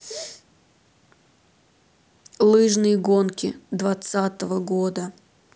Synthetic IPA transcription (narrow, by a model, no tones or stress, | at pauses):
lˠɨʐnɨjəɡonkʲɪd̪vɐt̪sat̪əvəɡod̪ə